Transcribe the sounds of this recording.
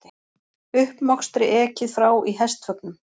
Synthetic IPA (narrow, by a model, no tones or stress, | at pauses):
ʏhpmɔkst̪ɾɪʔɛːcɪθɾaːwʔiɦɛst̪fœknʏm